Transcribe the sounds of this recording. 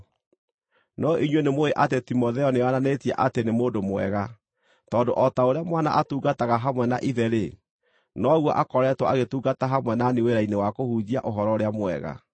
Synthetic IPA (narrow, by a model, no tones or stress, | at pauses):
nɔʔiɲwenemoeʔatetimɔðɛɔneananetiɛ̰ʔatenemoːdomwɛ̰ɣa | tɔːndoʔɔtaoɾeamwana̰ʔatuːɡataɣaɦamwɛnaʔiðɛɾe | nɔɣwɔʔakɔɾɛtwɔ̰aɣetuːɡataɦamwɛnaneweɾainewakohuːd͡ʑiaʔoɦɔɾɔɾeamwɛ̰ɣa̰